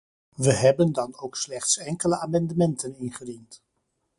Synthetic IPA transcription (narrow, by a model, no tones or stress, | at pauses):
ʋəɦɛbəndɑnowkslɛχtsɛŋkələaːmɑndəmɛntənɪnχədint